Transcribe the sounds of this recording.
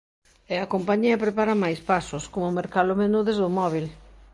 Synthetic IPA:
ɛɐkompaɲiɐpɾepaɾɐmajspasʊskomʊmeɾkaðʊmenuðezðʊmɔβ̞il

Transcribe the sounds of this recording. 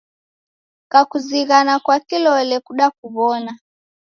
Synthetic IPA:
kakuziɣanakwakilɔlɛkuɗak̚uβɔna

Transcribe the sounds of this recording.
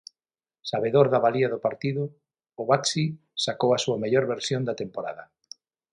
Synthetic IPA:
saβeðoɾðaβaliaðʊpaɾt̪iðʊː | βaksi | sakowasuameʎoɾβeɾsjond̪at̪empoɾa̰ðɐ

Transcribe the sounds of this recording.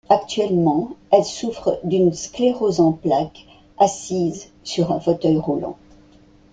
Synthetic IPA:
akt̪ɥɛlmɑ̃ɛlsufχəd̪ynskleʁozɑ̃plak | asiz | syʁɛ̃fot̪œjʁulɑ̰̃

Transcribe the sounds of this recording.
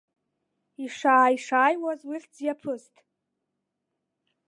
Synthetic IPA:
iʂaːiʂaːjwazwiħd͡zjapʰɨztʼ

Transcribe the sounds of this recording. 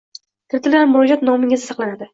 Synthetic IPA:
kʲʰɪɾt̪ʰɪlamːʊɾɒd͡ʒat̪nɒmɪŋɪzɪsɑqlˠanad̪ɪ

